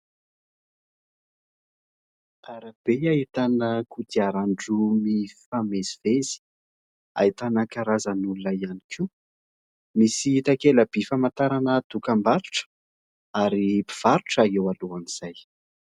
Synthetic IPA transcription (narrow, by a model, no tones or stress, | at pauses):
aɾab̥eait̪anəkud̪iaɾaɳɖ͡ʐumifamezivezi̥ | a̰it̪anəkaɾazanulunaianikʰi | misiit̪akeləb̥efamant̪aɾanəd̪̥ukambaɾuʈ͡ʂə̥ | aɾipi̥v̥aɾuʈ͡ʂaewaluaniz̥aj